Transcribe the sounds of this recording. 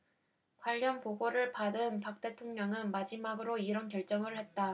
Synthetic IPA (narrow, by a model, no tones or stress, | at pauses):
kwaʎːʌnpoɡoɾɯɭpadɯnpak̚t͈e̞tʰoŋɲʌŋɯnmad͡ʑimaɡɯɾoiɾʌnkjʌɭt͡ɕ͈ʌŋɯɭhe̞t̚t͈a